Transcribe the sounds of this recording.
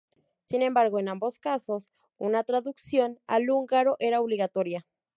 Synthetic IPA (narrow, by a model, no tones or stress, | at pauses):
sine̞mbaɾɣo̞enambo̞skaso̞s | unat̪ɾaðuksjo̞na̰luŋɡaɾoʔeɾaoβliɣat̪o̞ɾja